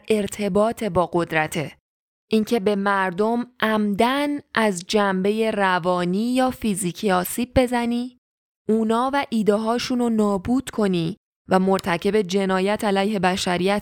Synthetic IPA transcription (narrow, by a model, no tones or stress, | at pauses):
e̞ɾt̪ʰe̞bɒːt̪ʰe̞bɒːɡo̞d̪ɾæt̪ʰe | ʔiːncʰe̞be̞mæɾd̪o̞mʔæmd̪ænʔæzd͡ʒæmbe̞je̞rævɒːniːjɒːfiziːcʰiɒːsiːb̚ːe̞zæniː | ʔuːnɒːvæʔiːd̪eɦɒːʃunonɒːbuːd̪̥kʰo̞niː | væmo̞ɾt̪ʰæcʰe̞be̞d͡ʒe̞nɒːjæt̪ʰælæjhe̞bæʃæɾijæt̪